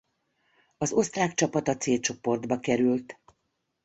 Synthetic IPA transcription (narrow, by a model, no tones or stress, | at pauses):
ɒzo̞st̪raːkt͡ʃɒpɒt̪ɒt̪seːlt͡ʃo̞po̞rd̪bɒkɛɾylt̪